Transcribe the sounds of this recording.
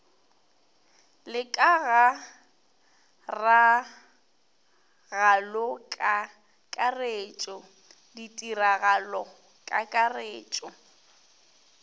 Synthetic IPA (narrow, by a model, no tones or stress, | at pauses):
lɪkʼaɣa | ra | ɣalɔkʼa | kʼareːt͡ʃʼɔ | ditʼiraɣalɔ | kʼakʼareːt͡ʃʼɔ